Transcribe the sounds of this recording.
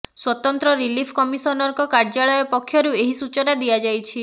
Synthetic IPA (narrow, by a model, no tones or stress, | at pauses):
swɔt̪ɔnt̪ɾɔɾilipʰkɔmisɔnɔɾkɔkaɾd͡ʒaɭɔjɔpɔkʰːjɔɾueɦisut͡ʃɔnad̪iad͡ʒajt͡ʃʰi